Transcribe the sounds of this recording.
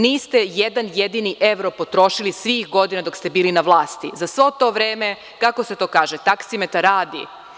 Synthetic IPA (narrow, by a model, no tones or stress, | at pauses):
niːst̪ejed̪anjed̪iniʔeʋɾopo̞t̪ɾo̞ʃilisʋixɡo̞d̪inad̪o̞kst̪e̞biːlinaʋlˠaːst̪izasʋot̪o̞ːʋɾeːme | kako̞se̞t̪o̞ːkaːʒet̪aksimet̪aɾaːd̪ḭ